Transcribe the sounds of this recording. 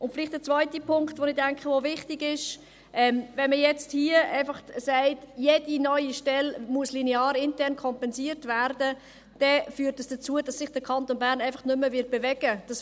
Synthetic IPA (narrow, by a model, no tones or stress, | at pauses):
ʊntfɪlɪχtd̥ət͡svœʏtipʰʊŋktʋonɪdæŋkχəʋovɪχtiɡɪʃ | ʔɛmvɛnməjɛt͡sthiəa̰ɪfɑχtsæɪtjed̥inœʏiʃtɛlmuəslinɛɑːɾɪntɛɾnkʰɔmpɛnsiːəɾtvæɾdə | d̥ɛfyːtːəsd̥ət͡suəd̥ɑsːɪχd̥əkʰɑntonbæːɾnæɪfɑχtnʏməvɪt̚b̥evɛɡ̥əd̥ɑs